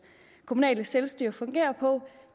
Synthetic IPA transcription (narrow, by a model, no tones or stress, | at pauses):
kʰo̝munɛ̰ːləselsd̥yɐ̰fɔ̽ŋɡ̥e̝̰ːɐpʰɒ̽